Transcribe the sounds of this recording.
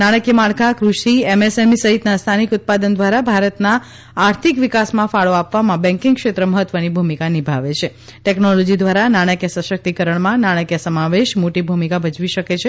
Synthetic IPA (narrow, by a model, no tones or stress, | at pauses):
naɽ̃əkjəmaɭkʰakɾuʃiemesemisəɦit̪nast̪ʰanikut̪̚pad̪ənd̪ʋaɾabʱaɾət̪naː | ɾt̪ʰikʋikasmãfaɭoapʋamãbɛ̃ŋkɪ̃ŋɡkʃet̪ɾəməɦət̪ːʋənibʱumikanibʱaʋet͡ʃʰe | ʈɛknolɔd͡ʒid̪ʋaɾanaɽ̃əkjəsəʃək̚t̪ikəɾəɳmãnaɽ̃əkjəsəmaʋeʃmoʈibʱumikabəd͡ʒʋiʃəket͡ʃʰe